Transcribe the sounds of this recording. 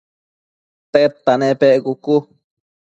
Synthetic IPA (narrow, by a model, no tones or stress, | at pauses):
t̪et̪ːanepeʔɡuku